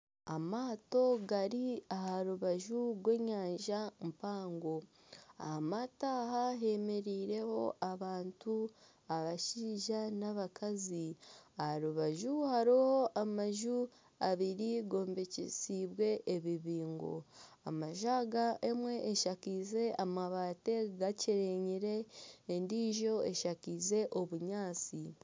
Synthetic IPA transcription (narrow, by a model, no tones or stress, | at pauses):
a̰maːto̞ɡaɾiahaɾuβaʒuɾwe̞ːɲaːnʒampaːŋɡo̞ | a̰hamataːɦaɦe̞me̞ɾiːɾe̞ho̞ʔaβaːntu | aβaʃiːʒanaβakaziahaɾuβaʒuhaɾiho̞ʔamaʒu | aβiɾiɡo̞ːmbe̞cḛsiβwe̞ʔːβiβiːŋɡo̞̰a̰maʒaɡaʔemwe̞ʔːʃakize̞ʔamaβaːte̞ɡaciɾeɲiɾe̞ːndiːʒo̞e̞ʃakize̞ʔo̞βuɲaːt͡si